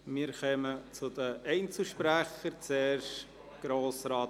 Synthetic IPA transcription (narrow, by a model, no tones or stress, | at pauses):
mɪːɾχœmət͡sʊd̪əʔɛɪnt͡suʃpɾæχəɾt͡sɛːrʃt | ɡ̥ɾoːsɾɑːt